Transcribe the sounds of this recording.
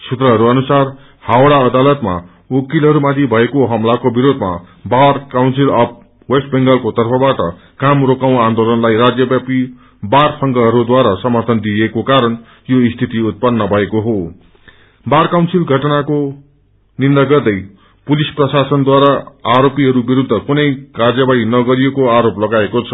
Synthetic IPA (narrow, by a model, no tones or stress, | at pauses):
sut̪rʌɦʌɾuʌnusar | hawɽaʌd̪alʌt̪ma̰ | okilɦʌɾumad̪ibʱʌekoɦʌmlakobiɾod̪ʱma̰ | barkawnsilʌp̚ | wesʈ̚beŋɡʌlkot̪ʌrpʰʌbaʈʌ | kamrokaw̃and̪olʌnlajrad͡zjʌbjapi | barsʰʌŋɡʌɦʌɾud̪waɾasʌmʌrt̪ʰʌnd̪iekokaɾʌn | joist̪ʰit̪iut̪̚pʌnːʌbʱʌekoɦo | barkawnsilɡʱʌʈʌnako | nind̪aɡʌrd̪ʌj | pulisprʌsasʌnd̪waɾaːɾopiɦʌɾubiɾud̪ʱːʌkunʌjkard͡zjʌbaɽinʌɡʌɾijekoaɾoplʌɡaekot͡sʰʌ̥